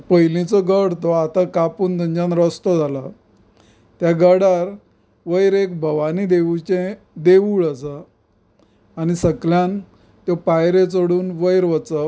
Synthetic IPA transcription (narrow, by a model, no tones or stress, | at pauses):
pəjlit͡sɔɡəɽt̪ɔat̪akapuːnd̪ʱəɲd͡ʑanɾəst̪ɔd͡zʱala | t̪jaɡəɽaɾ | ʋəjɾek̚bʱəʋanid̪eʋut͡ɕẽ | d̪eʋuːɭəsə | anisəkljãn | t̪jɔpajɾet͡soɽuːnʋəjɾʋət͡sə